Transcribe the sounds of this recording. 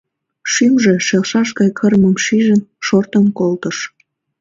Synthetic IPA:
ʃymʒeʃelʃɑʃɡɑjkʰərməmʃiʒənʃort̪əmkolt̪əʃ

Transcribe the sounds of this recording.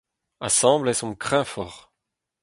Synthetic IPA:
asɑ̃blɛsɔ̃kχɛ̃fɔʁ

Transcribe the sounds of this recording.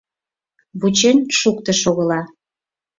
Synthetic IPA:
βut͡ɕenʲʃuk̚t̪ə̆ʃoɣəlɑ

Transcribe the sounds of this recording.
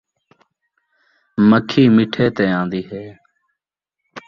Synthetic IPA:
məkʰiːmɪʈʰeːt̪ẽːãːnd̪iːɦeː

